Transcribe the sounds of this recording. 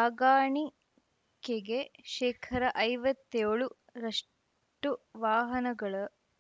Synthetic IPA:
aːɡaːɳi | kːeɡeʃɛːkʰɐɾɐʔɐjʋɐt̪ːeːɭu | ɾɐʂ | ʈuʋaːɦɐnɐɡɐɭɐ

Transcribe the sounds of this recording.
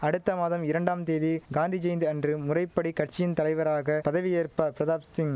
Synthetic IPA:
ɐɽɯt̪ːɐmaːðɐmɪɾɐɳɖaːmt̪eːðiɡaːnd̪ʱid͡ʒɐjnd̪ɯɐndrɯmʊrɐɪpːɐɽikɐʈ̚t͡ʃɪjɪnt̪ɐlɐɪʋɐɾaːɣɐpɐðɐʋɪjeːɾpɐpɪɾɐðaːpsɪŋ

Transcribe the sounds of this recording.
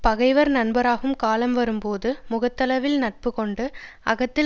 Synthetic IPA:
pɐɣɐɪʋɐɾnɐɳbɐɾaːɣɯmkaːlɐmʋɐɾɯmpoːðɯmʊɣɐt̪ːɐlɐʋɪlnɐʈ̚pɯkɔɳɖɯʔɐ̰ɣɐt̪ːɪ

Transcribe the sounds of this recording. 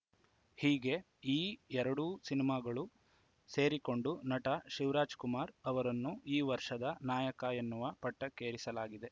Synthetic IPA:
hiːɡe̞ | iːɛɾɐɽuːsinimaːɡɐɭu | se̞ːɾiko̞ɳɖunɐʈɐʃiʋɾaːd͡ʒkumaːɾɐʋɐɾɐnːuiːʋɐɾʂɐd̪ɐnaːjɐkaenːuʋɐpɐʈːɐkeːɾisɐlaːɡid̪e̞

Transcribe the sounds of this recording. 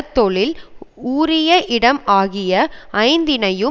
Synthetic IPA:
t̪ːɔɭɪluːɾɪjɐʔɪɽɐmaːɣɪjɐɐɪnd̪ɪnɐjɯ

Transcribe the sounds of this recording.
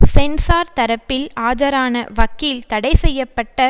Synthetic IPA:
sɛnsaːɾt̪ɐɾɐpːɪlaːd͡ʒɐɾaːnɐʋɐkːilt̪ɐɽɐɪsɛjːɐpːɐʈːɐ

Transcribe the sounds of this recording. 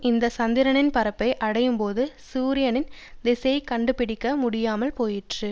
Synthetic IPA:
ɪnd̪ɐsɐnd̪ɪɾɐɳɪnpɐɾɐpːɐɪʔɐɽɐjɯmpoːðɯ | suːɾɪjɐnɪn | d̪ɪsɐɐɪkɐɳɖɯpɪɽɪkːɐmʊɽɪjaːmɐlpoːjɪʈrɯ

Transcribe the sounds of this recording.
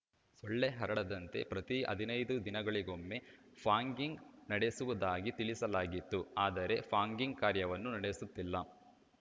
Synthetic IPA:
soɭːeɦɐɾɐɽɐd̪ɐnt̪e̞̰pɾɐt̪iɐ̰d̪ʱinɐjd̪ud̪inɐɡɐɭiɡo̞mːe | pʰaːŋɡiŋɡnɐɽe̞suʋud̪aːɡit̪iɭisɐlaːɡit̪ːuaːd̪ɐɾe̞pʰaːŋɡiŋɡ̚kaːɾjɐʋɐnːunɐɽesut̪ːilːɐ

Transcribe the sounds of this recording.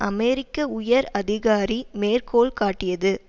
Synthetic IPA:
ʔɐmɛɾɪkːɐʊjɐɾɐðɪɣaːɾimeːrkoːɭkaːʈːɪjɐðɯ

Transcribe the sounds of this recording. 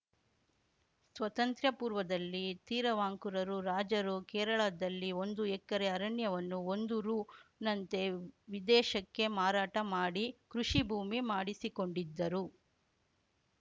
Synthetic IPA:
sʋɐt̪ɐnt̪ɾjɐpuːɾʋɐd̪ɐlːit̪iːɾɐʋaːŋkuɾɐɾuɾaːd͡ʒɐɾukɛːɾɐɭɐd̪ɐlːio̞nd̪uɛkːɐɾeɐɾɐɳjɐʋɐnːuond̪uɾuːnɐnt̪e̞ʋid̪ɛːʃɐkːe̞maːɾaːʈɐmaːɽikɾuʂibʱuːmimaːɽisiko̞ɳɖid̪ːɐɾu

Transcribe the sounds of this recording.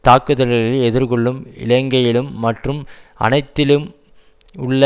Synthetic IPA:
t̪aːkːɯðɐlɐlɪlɛðɪɾɣɔɭːɯmɪ̰lɐŋɡɐjɪlɯmːɐʈrɯmɐ̰nɐɪt̪ːɪlɯm | ʊɭː

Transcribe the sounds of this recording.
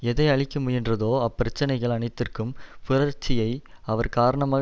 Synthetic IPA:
ɛðɐɪɐɭɪkːɯmʊjɪndrɐðoːɐpːɪɾɐt͡ʃːɐnɐɪɣɐɭɐɳɐɪt̪ːɪrkɯmfɪrɐɾt͡ʃːɪjɐɪ | ɐʋɐɾkaːɾɐɳɐmaː

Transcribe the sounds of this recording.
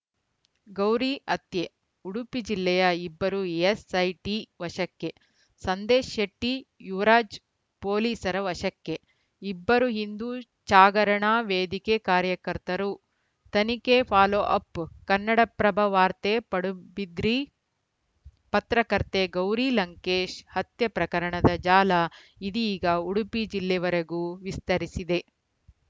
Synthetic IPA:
ɡɐwɾiːʔɐt̪je | uɽupid͡ʒilːɛjɐibːɐɾuesɐjʈiʋɐʃɐkːe | sɐnd̪eːʃɐʈːijuʋɐɾaːd͡ʒ | poːliːsɐɾɐʋɐʃɐkːe | ibːɐɾuɦind̪uː | t͡ʃaːɡɐɾɐɳaːʋeːd̪ikeːkaːɾjɐkɐɾt̪ɐɾu | t̪ɐnikepʰaːloːʔɐpkɐnːɐɽɐpɾɐbʱɐʋaːɾt̪epɐɽubid̪ɾi | pɐt̪ɾɐkɐɾt̪eɡɐwɾilɐŋkeːʃhɐt̪jɐpɾɐkɐɾɐɳɐd̪ɐd͡ʒaːlɐid̪iːɡɐuɽupid͡ʒilːɛʋɐɾɐɡuːʋist̪ɐɾisid̪e̞

